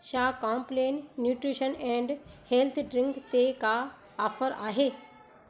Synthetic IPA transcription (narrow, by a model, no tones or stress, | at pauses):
ʃaːkãːmplẽːnːjuːʈɾiʃənɛ̃ːɳɖheːlt̪ʰɖɾɪ̃ŋɡt̪eka | ɔːfəɾa̰ːɦeː